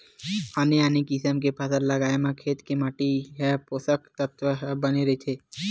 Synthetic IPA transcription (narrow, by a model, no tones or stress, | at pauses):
haːneaːnekiɪsəmkepʰasəɾlɐɡaːemãkʰeːt̪kemaːʈiɦɛpoːsəkt̪ət̪ʋəɦbɐneɾɐit͡ʃ̪ʰeː